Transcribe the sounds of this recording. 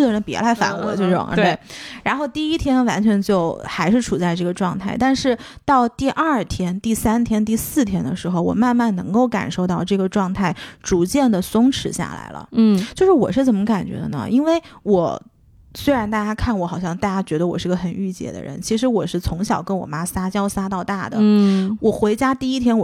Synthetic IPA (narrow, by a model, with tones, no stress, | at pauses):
d̪ə˩ɻə˧˥npɛ̰˧˥lʰa˧˥ɪfa̰˨˩nɤ̰˧˥t͡ɕjo˥˧ʊ˥˩ʊ̰˧ə̰˞˧e˥˩ɻa˧˥nxo˥˧ʊt̪i˥˩i˥t̪ʰjɛ˥nwa˧˥nt͡ɕʰɥɛ˧˥nt͡ɕjo˥˩ʊxa˧˥ɪʂɻ̩˥˩ʈ͡ʂʰu˨˩t͡sa˥˧ɪʈ͡ʂɤ˥˩ɡə˩ʈ͡ʂwɑ˥˧ŋt̪ʰa˥˩ɪt̪a˥˧nʂɻ̩˥˧t̪ɑ˥˧ʊt̪i˥˧ʔɐ˞˥˩t̪ʰjɛ˥nt̪i˥˩sa˥nt̪ʰjɛ˥nt̪i˥˧sɹ̩˥˩t̪ʰjɛ˥nd̪ə̰˧ʂɻ̩˧˥xo˥˧ʊwɔ̰˨˩ma˥˧nma˥˩nnɤ˧˥ŋko˥˩ʊka̰˨˩nʂo˥˧ʊt̪ɑ˥˧ʊʈ͡ʂɤ˥˩ɡə˩ʈ͡ʂwɑ˥˧ŋt̪ʰa˥˩ɪʈ͡ʂu˧˥t͡ɕjɛ˥˩nd̪ə˩sʊ˥ŋʈ͡ʂʰɻ̩˧˥ɕja̰˥˩la̰˧˥ɪlə̰˧˥˩t͡ɕjo˥˧ʊʂɻ̩˥˩wɔ̰˨˩ʂɻ̩˥˩t͡sə˨˩mə˦ka˨˩nt͡ɕɥɛ̰˧˥d̪ə̰˧nə̰˧ʔi˥nwe˥˩ɪwɔ˨˩˦ | swe˥ɪɻa˧˥nt̪a˥˩t͡ɕja˥kʰa˥˩nwɔ˧˥xɑ˨˩ʊɕjɑ˥˧ŋt̪a˥˩t͡ɕja˥t͡ɕɥɛ˧˥d̪ə˧wɔ˨˩ʂɻ̩˥˧ɡə˧xə˨˩ny˥˩t͡ɕjɛ̰˨˩d̪ə̰˦ɻə̰˧˥nt͡ɕʰi˧˥ʂɻ̩˧˥wɔ˨˩ʂɻ̩˥˩t͡sʰʊ˧˥ŋɕjɑ˨˩ʊkə˥nwɔ̰˨˩ma˥sa˥t͡ɕjɑ˥ʊsa˥t̪ɑ˥˧ʊt̪a˥˩d̪ə̰˩wɔ˨˩xwe˧˥ɪt͡ɕja˥t̪i˥˩i˥t̪ʰjɛ˥nwɔ˨˩